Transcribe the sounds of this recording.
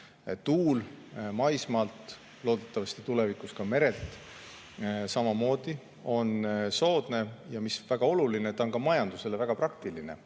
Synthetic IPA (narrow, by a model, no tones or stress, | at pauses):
t̪uːl | mɑjsmɑlt̪ | lo̞ːd̪̥e̞t̪ːɑvɑst̪i̥t̪ule̞vikˑuskɑme̞ɾe̞lt̪ˑ | sɑmɑmo̞ːd̪̥i | o̞nso̞ːd̪̥ne̞jɑmisvæɡ̥ɑo̞lulinet̪ɑonkɑmɑjɑnd̪use̞levæɡ̥ɑprɑkt̪iline̞̰